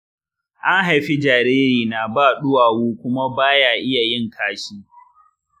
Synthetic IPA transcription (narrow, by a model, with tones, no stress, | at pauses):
ʔa˦ŋɦa˨jɸi˦d͡ʒaː˨ɾeː˦ɾiː˨naː˨baː˦˨ɗʊ˦waː˨woː˦kʷʊ˦ma˦baː˦jaː˨ʔɪ˦ja˨jɪ˦˨ŋkʰaː˦ʃiː˦